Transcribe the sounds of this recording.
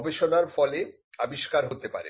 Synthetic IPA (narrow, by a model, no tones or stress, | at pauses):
beʃonaɾfɔle | abiʃkaɾɦot̪epa̰ɾḛ